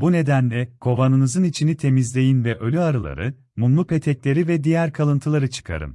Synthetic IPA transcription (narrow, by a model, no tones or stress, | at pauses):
bune̞d̪ænlʲɛkʰo̞vanɯnɯzɯnit͡ʃʰinit̪ʰe̞mizlʲe̞jinvɛʔø̞lʲyaɾɯlˠa̰ɾɯ̰ | munlˠupʰe̞t̪ʰɛclʲe̞ɾivɛd̪ijæɾkʰalˠɯnt̪ʰɯlˠaɾɯt͡ʃʰɯ̥kʰa̰ɾɯ̰m